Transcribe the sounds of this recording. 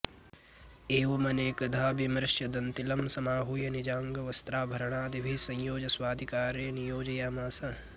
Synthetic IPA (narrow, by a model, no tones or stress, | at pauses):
eːʋɐmɐneːkɐd̪ʱaːbimɾɪʃjɐd̪ɐnt̪ilɐmsɐmaːɦujɐnid͡ʒaːŋɡɐʋɐst̪ɾaːbʱɐɾɐɳaːd̪ʱibʱisɐ̃j̃joːd͡ʒɐswaːd̪ʱikaːɾenijoːd͡ʒɐjaːmaːsɐ